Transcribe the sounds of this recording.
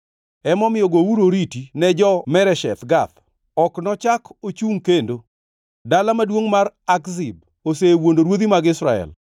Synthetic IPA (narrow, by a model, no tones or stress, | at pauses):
ɛmɔmɪjɔɡowuɾoɾitinɛd͡ʒɔmɛɾɛʃɛ̰t̪ɡat̪ | ɔknɔt͡ʃakot͡ʃuŋkendo | dalamadwoŋmaɾakzɪb̚ | osewondoɾwod̪imaɡɪsɾa̰ɛ̰l